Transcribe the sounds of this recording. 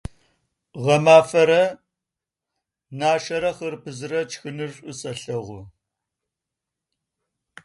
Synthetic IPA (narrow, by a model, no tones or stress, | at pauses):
ʁɐmaːfɐɾɐ | naːʃɐɾɐχɐrpʰɨzɨrɐt͡ʃxɨnɨrɕʷʼɨsʼɐɬɐʁʷʊ